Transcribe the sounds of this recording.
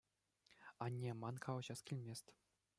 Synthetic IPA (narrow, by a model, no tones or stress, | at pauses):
ɑnʲːemɑnkʰɑlɤ̆ʑɑskʲilʲmʲesʲt̪ʲ